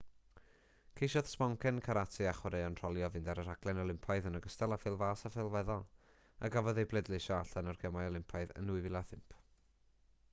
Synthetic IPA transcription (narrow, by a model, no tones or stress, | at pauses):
kʰejʃɔðspɔŋkʰɛnkʰaɾatʰɨaχwaɾejɔnr̥ɔlˠjɔvɪndaɾəɾ̥aɡ̥lɛnɔlˠɪmpʰaɨðənəɡəstɛlˠafɪlˠvaːsafɪlˠvɛðɔ | a̰ɡavɔðejblˠɛdlˠɪʃɔaɬanɔrɡʰɛmajɔlˠɪmpʰaɨðə̰nuɨvɪlˠaθɪmpʰ